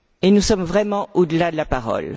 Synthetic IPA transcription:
enusɔmvʁɛmɑ̃od̪əlad̪əlapaʁɔ̰l

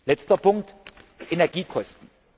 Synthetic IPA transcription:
lɛt͡stɐpʊŋk̚tʔenɛɐɡiːkʰɔstn̩

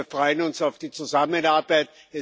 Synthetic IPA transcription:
fʁɔʏənʊnsaʊfd̥iːt͡suzamənaɐbaɪt̚ | ɛ

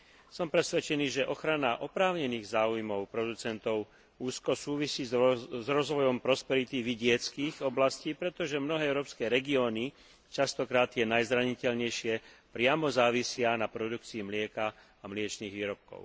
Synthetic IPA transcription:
sɔmpɾɛsʋɛt͡ʃɛniːʒɛʔɔxɾanaʔɔpɾaːʊɲɛniːɣzaːujmɔʊpɾɔd̪ut͡sɛnt̪ɔʊ | uːskɔsuːʋisiːzzɾɔzʋɔjɔmpɾɔspɛɾit̪iʋiɟɪɛt͡skiːɣɔblasciːpɾɛt̪ɔʒɛmnɔɦɛːɛʊɾɔːpskɛːɾɛɡiɔːni | t͡ʃast̪ɔkɾaːt̪ːjɛnajzɾaɲicɛʎɲɛjʃɪɛpɾɪamɔzaːʋisɪanapɾɔd̪ukt͡siimlɪɛkaː | mlɪɛt͡ʃniːɣʋiːɾɔp̚kɔ̰ʊ

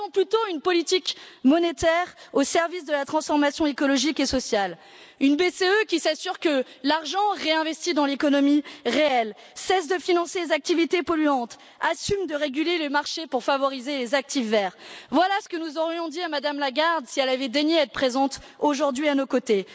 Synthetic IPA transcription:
ɔ̃plyt̪oynpɔlit̪ikmɔnet̪ɛʁosɛʁvis̬d̪əlat̪χɑ̃sfɔʁmasjɔ̃ekɔlɔʒikesɔsjal | ynbeseøkʲisasyʁkəlaʁʒɑ̃ʁeɛ̃vɛst̪id̪ɑ̃lekɔnɔmiʁeɛl | sɛsd̪əfinɑ̃selezak̚t̪ivit̪epɔlyɑ̃t̪ | asymd̪əʁeɡʲylelemaʁʃepuʁfavɔʁizelezak̚t̪ifːɛːʁvwalasə̥kənuzɔʁjɔ̃d̪iamad̪amlaɡaʁd̪siɛlavɛd̪eɲeɛt̪pχezɑ̃t̪ | oʒuʁd̪ɥianokot̪e

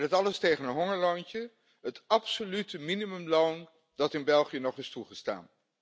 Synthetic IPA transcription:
ətɑləstejχənənɦɔŋəɹlontə | ɦətɑpsolytəminimɵmlown | dɑtɪnbɛlˠχijənɔχɪstuχəsta̰ːn

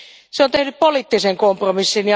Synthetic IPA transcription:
seont̪ehnyppoliːt̪ːiseŋkompromisːinj

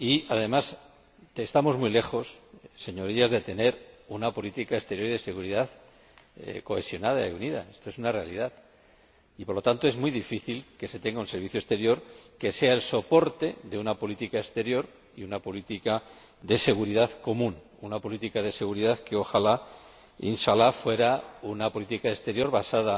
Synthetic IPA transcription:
iaðe̞mas | est̪amo̞zmile̞xo̞sːe̞ɲo̞ɾiazðe̞t̪e̞ne̞ɾunapo̞lit̪ikaest̪e̞ɾjo̞ɾiðe̞se̞ɣuɾiðað̰ | ko̞e̞sjo̞nað̞aeuniða̰e̞st̪o̞e̞sunare̞alið̞aθ | ipo̞ɾlo̞t̪ant̪o̞ezmujðifiθilke̞se̞t̪e̞ŋɡaunse̞ɾβ̞iθjoe̞st̪e̞ɾjoɾke̞se̞aelso̞po̞ɾt̪e̞ðe̞unapo̞lit̪ikaest̪e̞ɾjo̞ɾ | iunapo̞lit̪ika | ðe̞se̞ɣuɾiðaðko̞mũn | unapo̞lit̪ikaðe̞se̞ɣuɾiðaθkeo̞xala | inʃalafwe̞ɾaunapo̞lit̪ikaest̪e̞ɾjo̞ɾβasaða

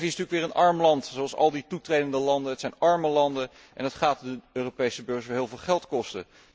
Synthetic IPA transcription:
viɪsntyːəkʋɪːɹənɑɹmlɑntsowɑlˠsɑ̰lˠditutrejdəndəlɑndəɦətsɛjnɑɹməlɑndə | ʔɛ̰nətχaːtdəøːropejsəbøːɹsɛɦɪːlˠvɪːlˠχɛlˠtkɔstə̰

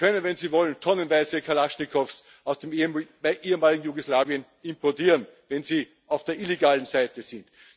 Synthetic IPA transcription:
kʰœnənvɛnziːvɔləntʰɔnənvaɪzəkʰalaʃnɪkʰɔfs | aʊsd̥eːm | ʔeːəmaːlɪɡŋ̩juɡoslaːviən | ɪ̃mpɔɐtiːʁənvɛnziː | aʊfd̥eːɐʔileɡaːlən̩zaɪtəzɪ̃nt

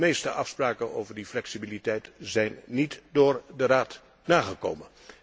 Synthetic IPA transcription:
mejstəʔɑfspraːkəno̰wvəɹdiflɛksibilitɛjtzɛjnːitdʊːɹdəraːt | naːχəko̰wmən

